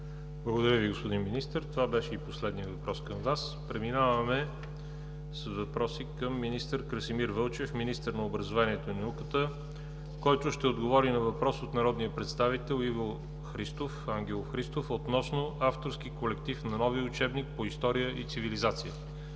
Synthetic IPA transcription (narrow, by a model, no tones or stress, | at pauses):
blˠəɡod̪ɐɾəviɡospod̪inminist̪əɾt̪ovabɛʃɛiposlɛd̪nijəvɐpɾɔskəmvas | pɾɛminavəmɛ | səzvɐpɾɔsikəmːinist̪əɾkɾəsimiɾvɤlˠt͡ʃɛfminist̪əɾnɐobɾɐzovaniɛt̪oinɐukət̪ə | kɔjt̪ʊʃt̪ɛod̪ɡovɔɾinɐvɐpɾɔsot̪nɐɾɔd̪nijəpɾɛt̪st̪avit̪ɛlˠivo | xɾist̪ofaŋɡ̟ɛlˠofxɾist̪ofot̪nɔsnoaft̪oɾskikolɛkt̪ifnɐnɔviʊt͡ʃɛbnik̚poist̪ɔɾijəʔit̪sivilizat̪sijə